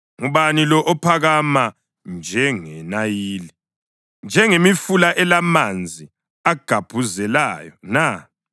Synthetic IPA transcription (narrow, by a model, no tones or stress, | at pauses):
ŋuβanilɔʔɔpʰaɣama | nd͡ʒʱɛŋɛnajiːli | nd͡ʒʱɛŋemifulaʔɛlamand͡zʱi | aɡ̥ʱab̥ʱuzɛlaːjɔna